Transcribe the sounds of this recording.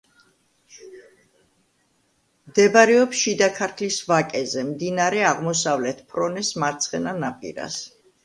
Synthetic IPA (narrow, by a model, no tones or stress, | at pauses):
md̪ɛbaɾɛɔpsʃid̪akʰaɾt̪ʰlisvakʼɛzɛmd̪inaɾɛaʁmɔsavlɛt̪ʰpʰɾɔnɛsmaɾt̪sʰχɛnanapʼḭɾa̰s